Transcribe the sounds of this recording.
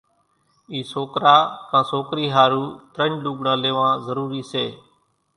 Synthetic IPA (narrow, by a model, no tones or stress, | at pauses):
iːsoːkɾaːkãːsoːkɾiːɦaːɾuːt̪ɾəɳluːɠɳãːleːʋãːzəɾuːɾiːseː